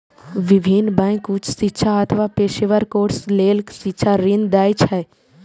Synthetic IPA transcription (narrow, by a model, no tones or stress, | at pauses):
ʋibʱinbãkut͡ʃʰsitːʃʰaɐt̪ʰʋapeːʃeʋəɾkoːɾsleːlksitːʃʰaɾind̪aːjt͡ʃʰɛ